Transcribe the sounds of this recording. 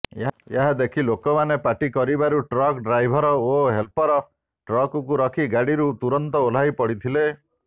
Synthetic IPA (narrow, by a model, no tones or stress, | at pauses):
eeɦad̪ekʰilokɔmanepaʈikɔɾibaɾuʈɾɔkɖɾajbʱɔɾɔoɦelpɔɾɔ | ʈɾɔkɔkuɾɔkʰiɡaɽiɾut̪uɾɔnt̪ɔol̤ajpɔɽit̪ʰile